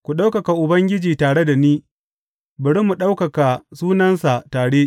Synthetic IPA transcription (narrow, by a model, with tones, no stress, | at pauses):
kʷu˨ɗa˦wkɐ˨ka˨ʔʊ˨bɐ˦ŋɡʲɪ˦d͡ʒiː˨taː˨ɽe˦da˨niː˦ | bʊ˨ɽɪ˦mu˨ɗa˦wkɐ˨ka˨suː˦nɐ˦nsa˨taː˨ɽe˦